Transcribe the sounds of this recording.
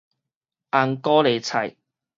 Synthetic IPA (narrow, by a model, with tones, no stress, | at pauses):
ʔaː˨˧nkɔː˥le˨˧jt͡sʰɐ˨˩j